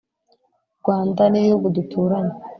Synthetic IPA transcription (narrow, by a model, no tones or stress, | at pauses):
ɾɡ̥waːndanijoɡudutʰuːɾaɲa